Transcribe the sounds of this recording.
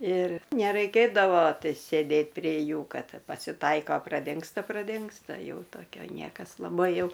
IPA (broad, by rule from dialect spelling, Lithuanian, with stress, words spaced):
ɪr nʲɛˈrɐɪkʲeːdɐʋoː ˈtɐɪ sʲeːˈdʲeːt pʲrʲeː ˈjuː ˈkɐt pɐsʲɪˈtɐɪkoː prɐˈdʲɪŋkstɐ prɐˈdʲɪŋkstɐ ˈjɛʊ toːˈkʲoː ˈnʲiɛkɐs lˠɐˈbɐɪ ˈjɛʊ